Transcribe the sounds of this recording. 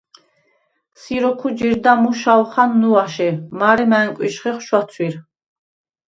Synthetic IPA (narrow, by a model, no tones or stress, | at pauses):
siɾɔkʰud͡ʒiɾd̪amuʃawχanːuaʃɛmaɾɛmaːŋkʼwiʃχɛχʃwat̪sʰwiɾ